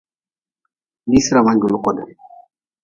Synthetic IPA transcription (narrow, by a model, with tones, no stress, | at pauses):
ni˦si˦ɾa˨ma˦ɲɡu˨lu˦kɔ˨dɛ˨